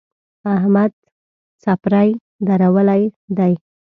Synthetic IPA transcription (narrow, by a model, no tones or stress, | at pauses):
ahmad̪ | sapɾaj | d̪aɾawəlajd̪aj